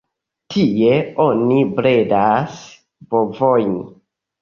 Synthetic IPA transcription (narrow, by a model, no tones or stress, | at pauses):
tʰie̞onibɾedas | bovojn